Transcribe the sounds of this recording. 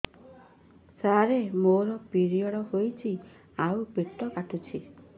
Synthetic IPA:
saɾemoɾɔpiɾiɔɽɔɦojt͡ʃʰi | awpiʈ̪ɔkaʈʰut͡ʃʰi

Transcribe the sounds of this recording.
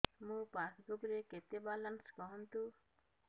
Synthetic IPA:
mũpasɡuɡɾeket̪ebalanskɔɦɔnt̪u

